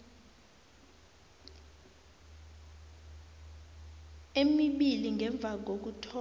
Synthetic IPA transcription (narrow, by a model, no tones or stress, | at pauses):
emiɓiliŋʱɛɱb̪vʱak̬ok̬utʰɔ